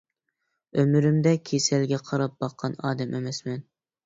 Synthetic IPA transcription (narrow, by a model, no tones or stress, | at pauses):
ømyɾymd̪ɛkʲʰesɛlɡʲɛqʰɑɾɑp̚b̥ɑqʰːɑnɑ̰ːd̪ɛmʔemɛsmɛn